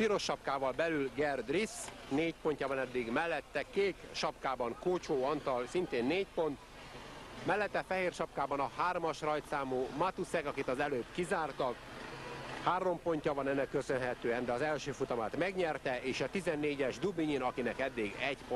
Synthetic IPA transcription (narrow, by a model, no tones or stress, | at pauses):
piɾo̞ʃːɒpkaːvɒlbɛlylɡɛrd̪risneːcpo̞ɲcɒbɒnɛd̪ːiɡmɛlːɛt̪ːɛkeːkʃɒpkaːbɒŋkoːt͡ʃoːɒnt̪ɒlsint̪eːnːeːcpo̞nt̪ | mɛlːɛt̪ːɛfɛɦeːrʃɒpkaːbɒnɒhaːrmɒʃrɒjt̪saːmuːmɒt̪usɛkɒkit̪ɒzɛløːbkizaːrt̪ɒk | haːɾo̞mpo̞ɲcɒbɒnɛnːɛkːøsø̞nɦɛt̪øːɛnd̪ɛɒzɛlʃøːfut̪ɒmaːt̪mɛɡɲɛrt̪ɛeːʃɒt̪izɛnːeːɟɛʒd̪ubiɲinɒkinɛkɛd̪ːiɡɛɟp